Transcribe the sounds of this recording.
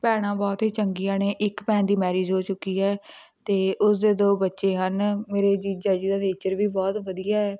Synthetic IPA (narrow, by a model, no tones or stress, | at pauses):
pɛːɽ̃ãːbɔːt̪ɦiːt͡ʃəŋɡijãːneːʔɪkpɛ̃ːnd̪iːmɛːɾeːd͡ʒɦoːt͡ʃʊkːiːɦɛː | t̪eːʔʊsd̪eːd̪oːbətːʃeːɦənmeːɾeːd͡ʒiːd͡ʒaːd͡ʒiːd̪aːneːt͡ʃəɾʋiːbɔːt̪ʋəd̪ijaːɛː